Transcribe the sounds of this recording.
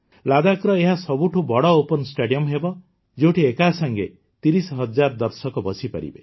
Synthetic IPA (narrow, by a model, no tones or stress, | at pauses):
lad̪akɾɔeɦasɔbuʈʰubɔɽɔopɔnsʈeɖiɔmɦebɔ | d͡ʒewʈʰiekasaŋɡe | t̪iɾisɦɔd͡ʒaɾd̪ɔɾsɔkɔbɔsipa̰ɾḭbe